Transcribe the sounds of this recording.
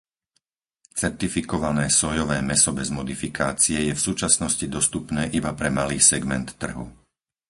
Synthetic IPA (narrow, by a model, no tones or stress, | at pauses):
t͡sɛɾt̪ifikɔʋanɛːsɔjɔʋɛːmɛsɔbɛzmɔd̪ifikaːt͡siɛjɛfsuːt͡ʃasnɔscid̪ɔst̪upnɛːʔibapɾɛmaliːsɛɡmɛnt̪ːr̩ɦṵ